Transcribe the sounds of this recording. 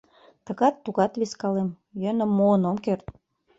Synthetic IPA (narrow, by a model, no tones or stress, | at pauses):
t̪ə̆ɣɑt̪ːuɣɑt̪βiskɑlem | jønə̆mːoːnomkert̪